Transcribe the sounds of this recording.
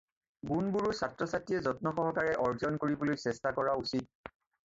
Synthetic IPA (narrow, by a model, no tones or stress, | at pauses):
ɡunbuɹusatɹɔsatijɛzɔt̚nɔxɔɦɔkaɹɛʔɔɹzɔnkoɹibolojsɛstakɔɹausit̚